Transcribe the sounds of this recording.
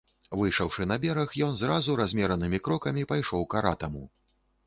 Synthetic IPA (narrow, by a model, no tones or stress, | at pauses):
vɨjʂɐwʂɨnɐbʲɛɾɐxjɔnzɾazuɾazʲmʲɛɾɐnɨmʲikɾɔkɐmʲipajʂɔwkaɾat̪ɐmu